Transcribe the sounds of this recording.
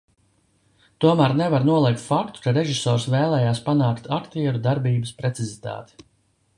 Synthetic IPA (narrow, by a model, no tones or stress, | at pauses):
t̪uɔmæɾnɛvaɾnuɔlˠiɛk̚t̪fakt̪u̥kaɾeʒisɔːɾsvɛːlˠɛːjaːspanaːkt̪ʰakt̪iɛɾud̪aɾbiːbəspɾɛt̪sizit̪a̰ːt̪i̥